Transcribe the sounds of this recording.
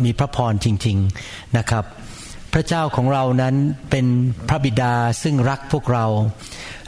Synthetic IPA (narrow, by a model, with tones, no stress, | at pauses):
miː˧pʰɾa˦˥pʰɔː˧nt͡ɕi˧ŋt͡ɕi˧ŋ | na˦˥kʰɾa˦˥p̚ʰː | ɾa˦˥t͡ɕaː˥˩wkʰɔː˩˦ŋɾa˧wna˦˥npe˧npʰɾa˦˥bi˨˩daː˧sɯ˥˩ŋɾa˦˥k̚pʰu˥˩ək̚ɾa˧w